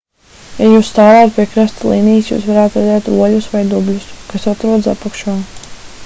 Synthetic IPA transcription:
jajuːst̪aːlaːt̪̚pʲiɛkɾast̪lˠiːnijsjṵːsvaɾaːt̪ɾad̪ɛːt̪ɾuɔlʲusʋajd̪ublʲuskasat̪ɾuɔd̪sa̰pakʃuɔ

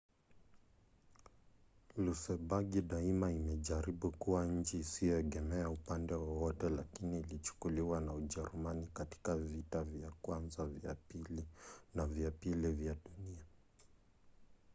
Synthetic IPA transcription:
lusɛbaɡiɗaimaimɛʄaɾiɓukuwaɲ̩t͡ʃiːsijɔɛɠɛmɛaupandɛwɔwɔtɛlakiniːlit͡ʃu̥kuliwanauʄɛɾumanikati̥kavitavjakwanzava̰pilinavjapilivjaɗunia

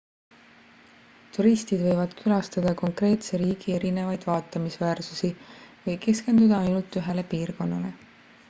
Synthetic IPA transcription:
t̪uɾist̪id̪vɤ̞jvɑd̪̥kʰylɑst̪ɑd̪̥ɑko̞ŋkre̞ːt̪se̞ɾiːɡ̥ie̞ɾine̞vɑjd̪̥vɑːt̪ːˑɑmisvæːrsusivɤjke̞ske̞nd̪ud̪ɑɑjnult̪ːyɦe̞le̞piːrko̞nːɑle̞

